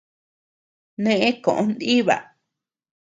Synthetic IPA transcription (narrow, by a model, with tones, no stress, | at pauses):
nẽ˦˧ʔẽ˦kõ˨ʔõ˧nd̪i˦βa̰˨